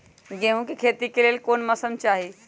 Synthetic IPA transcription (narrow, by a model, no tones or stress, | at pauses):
ɡẽɦũkikʰeːt̪ikeleːlkoːnmɐsəmt͡ʃaːɦi